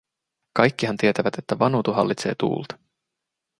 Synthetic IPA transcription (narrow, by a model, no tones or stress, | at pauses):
kɑjkːihɑnt̪iet̪æʋæt̪e̞t̪ːæʋɑnuːt̪uɦɑ̰lːit̪se̞̰ːt̪ṵːlt̪ɑ̥